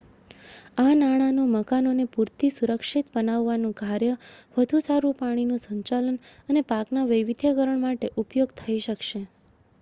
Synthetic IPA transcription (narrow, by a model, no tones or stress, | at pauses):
anaɽ̃anũməkanonepuɾt̪isuɾəkʃit̪bənaʋːanũkaɾjəʋəd̪ʱũsaɾũpaɽ̃inũsəɲt͡ʃalənənepaknaʋəjʋid̪ʱjəɡəɾəɳmaʈeʔupjoɡt̪ʰəiʃəkʃe